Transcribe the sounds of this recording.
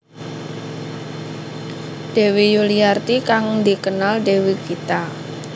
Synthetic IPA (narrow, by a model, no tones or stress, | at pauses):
d̪̥e̤wijuliart̪ikaŋd̪ikənald̪ewikit̪a